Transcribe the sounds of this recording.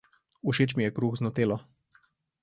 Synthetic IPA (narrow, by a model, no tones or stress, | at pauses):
uʃeːt͡ʃmijɛkɾuːxznɔt̪eːlɔ